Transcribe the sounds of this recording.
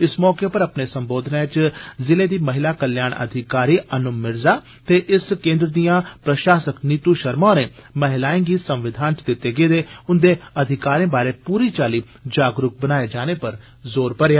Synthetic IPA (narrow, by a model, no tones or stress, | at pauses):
ɪsmɔːkeːpəɾəpneːsəmboːd̪ʱnãːt͡ʃzɪleːd̪iːməɦɪlaːkəljaːnə̰d̪ʱɪkaːɾiːʔənʊmːɪɾzaː | t̪eːʔɪskẽːnd̪ɾəd̪ijãːpɾəʃaːsəkniːt̪uːʃəɾmãːneːməɦɪlaːẽːɡiːsə̃mʋɪd̪ʱaːnt͡ʃd̪ɪt̪ːeːɡeːd̪eːʊnd̪eːəd̪ʱɪkaːɾẽːbaːɾeːpuːɾiːt͡ʃaːliː | d͡ʒaːɡɾʊk̚bənaːeːd͡ʒaːneːpəɾ | zoːɾpəɾjaː